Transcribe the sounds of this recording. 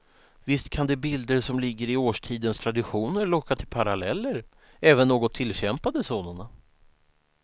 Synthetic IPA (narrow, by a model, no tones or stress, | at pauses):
vɪst̪̚kʰand̪ɛbɪld̪əɾsɔmlɪɡːəɾɪoːʂʈʰiːd̪ənst̪ʰɾad̪ɪɧuːnəɾlɔkːat̪ʰɪlpʰaɾalɛlːəɾ | ɛːvənːoːɡɔt̪ʰːɪlːɕɛmpad̪əsoːnʊɳa